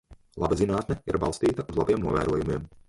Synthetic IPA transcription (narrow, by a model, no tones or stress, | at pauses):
lˠa̰bazinaːt̪nɛiɾba̰lˠst̪iːt̪ɐuzlˠabiɛmnuɔvæ̰ːɾuɔjumiɛm